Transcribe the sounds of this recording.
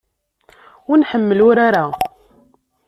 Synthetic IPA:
ʊnħəmːəlʊɾaɾa

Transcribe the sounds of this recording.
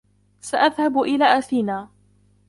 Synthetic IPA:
saʔaðhabʔɪlaːʔaθiːnaː

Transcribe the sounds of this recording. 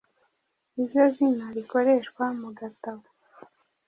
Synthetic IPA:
iɾɟozinaɾiko̞ɾeʃkwamuɡataβo

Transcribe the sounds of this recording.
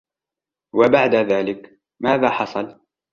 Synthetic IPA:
wabaʕd̪aðaːlɪk | maːðaːħɑsˤɑl

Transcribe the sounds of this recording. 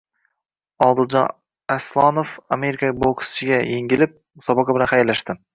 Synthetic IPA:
ɒlˠd̪ɨlˠd͡ʒɑn | aslˠɑnofame̞ɾikʰaboksɪɡʲajeŋɡʲɪlɪp̚ | sɒbɑqɑbɪlanχajlːaʃt̪ɪm

